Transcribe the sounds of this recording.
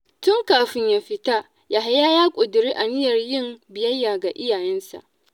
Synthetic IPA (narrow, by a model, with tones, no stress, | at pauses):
tʊ˦ŋkaː˨ɸɪ˦ɲjaː˦ɸɪ˦ta˦ | jaː˨ɦa˦jaː˦jaː˦kʷʼʊ˨dʊ˨ɾiː˦ʔa˨nɪ˦jɐ˨rjɪ˦mbɪ˨jɐ˦jːaː˨ɡa˨ʔɪ˦jaː˨jɛ˦nsa̰˨ʔ